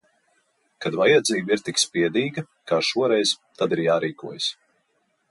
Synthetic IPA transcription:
kad̪vajad̪ziːbiɾt̪ikspiɛd̪iːɡɐ | kaːʃuɔɾɛjz̥t̪ad̪iɾjaːɾiːkuɔjas

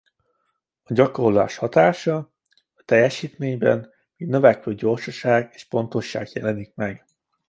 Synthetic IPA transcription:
ɒɟɒko̞rla̰ːʃhɒt̪aːʃɒ | ɒt̪ɛjɛʃiːt̪meːɲbɛ̰n | miːɡnø̞vɛkløːɟo̞rʃɒʃaːɡeːʃpo̞nt̪o̞ʃːa̰ːɡjɛlɛnik̚mɛɡ

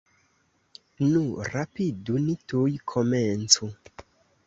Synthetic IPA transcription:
nuɾapidunitujkʰomɛnt͡su

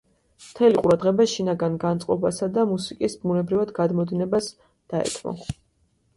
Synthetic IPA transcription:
mt̪ʰɛliqʼuɾad̪ʁɛbaʃinaɡanɡant̪sʼqʼɔbasad̪amusikʼisbunɛbɾivad̪ɡad̪mɔd̪inɛbas | d̪̥aɛ̰t̪ʰmɔ̰

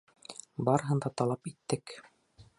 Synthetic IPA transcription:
bɑɾɤ̆ɦɤ̆nd̪ɑt̪ɑlˠɑpit̪ːɘk

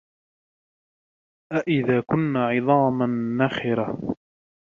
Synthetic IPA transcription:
ʔaʔɪðaːkʊnːaːʕɪðˤɑːmanːaxɪɾa

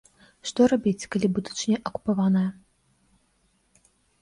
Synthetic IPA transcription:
ʂt̪ɔrabʲit͡sʲkalʲibud̪ut͡ʂnʲɛʔɐku̥pavanɐjɐ

